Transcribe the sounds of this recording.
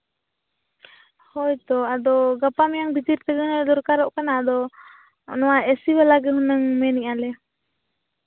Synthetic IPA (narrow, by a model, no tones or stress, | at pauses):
hɔjt̪ɔadɔɡapamjaŋbit̪iɾt̪ɛɡənad̪ɔɾkaɾɔʔkanaːd̪ɔ | nɔaɛsiwalaɡəɦunəŋmɛniʔalɛ